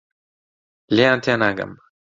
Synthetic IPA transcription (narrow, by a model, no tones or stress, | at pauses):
leant̪ʰianaɡə̰m